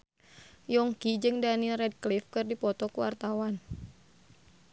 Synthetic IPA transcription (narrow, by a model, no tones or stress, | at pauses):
jɔŋkid͡ʒɨŋdanilrɛd̚klifkɨrdipɔt̪ɔkuwa̰rt̪awan